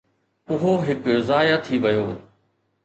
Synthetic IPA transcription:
ʊɦoɦɪkzaːjat̪ʰiʋɐjoː

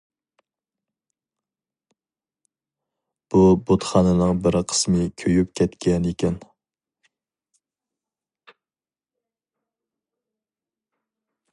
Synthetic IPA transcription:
b̥ubot̪χɑnɨnɨŋbɪɾqʰə̥smɨkʲʰøjyp̚kʲʰɛt̪kʲɛnikʲʰɛn

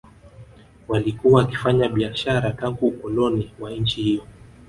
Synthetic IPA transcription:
walikuwaːki̥faɲaɓiaʃaɾataŋɡukɔlɔniwaɲ̩t͡ʃihijɔ

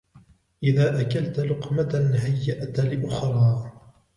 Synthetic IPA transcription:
ʔɪðaːʔakalt̪lʊqmat̪anɦajːaʔt̪lɪʔʊxɾˤɑː

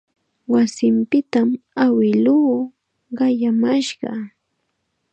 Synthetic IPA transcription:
wasɪmpɪt̪amawɪluː | ɢɑjamaʃɢɑ̰

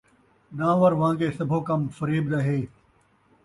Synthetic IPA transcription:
nãːʋɐɾʋãːɡeːsɐbʱoːkɐmfɐɾiːbd̪ɐɦeː

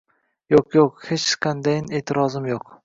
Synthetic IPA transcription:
joqjoqhet͡ʃqʰɑnd̪ajɪne̞ːt̪ʰɪɾɒzɪmjoq

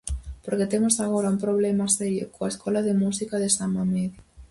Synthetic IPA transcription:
poɾket̪emosaɣoɾaumpɾoβ̞lemaseɾjo̰koaeskʰɔlaðemusikaðesamameðj

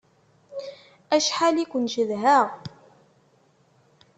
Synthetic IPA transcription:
æʃħalikʷənʒəðɦæʁ

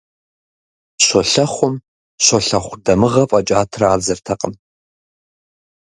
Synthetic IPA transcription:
ɕʷɔɬɐχʷʊm | ɕʷɔɬɐχʷʊdɐmɨʁɐpʼɐt͡ʃʼaːtʰraːzɐrtʰɐqʼən

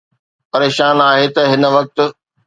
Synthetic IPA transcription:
pɐɾeːʃaːnaːɦet̪ɐɦɪnʋɐk̚t̪̆

